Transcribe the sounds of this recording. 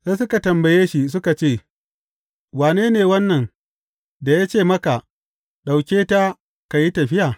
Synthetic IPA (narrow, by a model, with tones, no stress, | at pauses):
seː˦s̬ʊ˦ka˨tɐ˨mbɐ˨jeː˦ʃi˦s̬ʊ˦ka˨t͡ʃeː˦˨ | waː˨neː˦neː˨wɐ˦nːɐ˨ŋ | da˨ja˦t͡ʃeː˦˨mɐ˦ka˨ | ɗa˨wkʲeː˦ta˦ | ka˨ji˦tɐ˨ɸɪ˦jaː˨